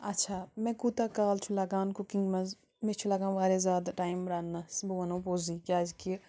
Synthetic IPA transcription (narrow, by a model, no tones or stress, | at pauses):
ɐtːʃʰaːmẽkut̪akaːlt͡ʃʰulɐɡãːnkukĩŋɡmɐz | mẽt͡ʃʰulɐɡãːnʋaːɾezaːd̪ʈaːjimɾaːnːɐsboɐnõːpoːzikʲaːd͡ʒki